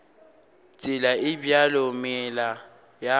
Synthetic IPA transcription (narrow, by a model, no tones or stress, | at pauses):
t͡sʼɪlaɪbjalʊmɪla | ja